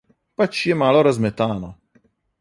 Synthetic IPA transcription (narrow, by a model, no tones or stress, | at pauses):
pat͡ʃjɛmaːlɔɾazmɛt̪aːnɔ